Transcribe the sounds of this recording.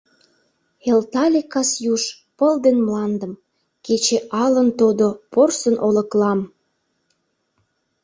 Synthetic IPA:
elt̪ɑlʲekɑsjuʃ | pəld̪enmlɑnd̪ə̆m | ket͡ɕeʔɑlənt̪od̪oporsənʔolə̆klɑm

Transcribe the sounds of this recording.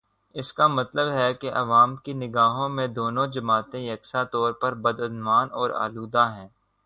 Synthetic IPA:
ɪskamɐt̪ləbɦɛkeʔɐʋaːmkinɪɡaːɦõmẽd̪oːnõd͡ʒɐmaːt̪ẽjɐksat̪ɔːɾpɐɾbɐd̪ɐnʋaːnɔːɾa̰ːluːd̪aɦɛ̃ː

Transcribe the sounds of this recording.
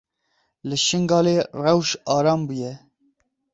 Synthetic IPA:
lɨʃɨŋɡɑːleːrɛwʃɑːɾɑːmbujɛ

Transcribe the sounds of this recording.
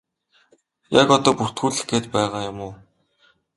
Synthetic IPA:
jakɔt̪ɔːpur̥t̪xuːɮɘ̆ɡeːt̪pæːʁaːjʊmʊː

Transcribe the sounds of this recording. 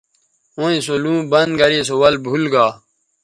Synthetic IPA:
õːĩsolũːbɐnd̪̚ɡɐɾeːsowɐlbʱulɡaː

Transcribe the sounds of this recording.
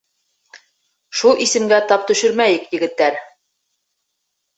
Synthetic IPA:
ʃulˠisɘ̆mɡæt̪ɑp̚t̪ɵ̆ʃɘɾmæjɘkjɘ̆ɡɘ̆t̪ːæɾ

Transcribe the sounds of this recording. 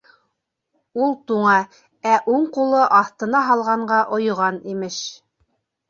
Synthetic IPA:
ulˠt̪uɴɑ | æʔuɴqulˠɤʔɑθt̪ɤ̆nɑɦɑlˠʁɑɴɢɑʔŏjŏʁɑnimɘʃ

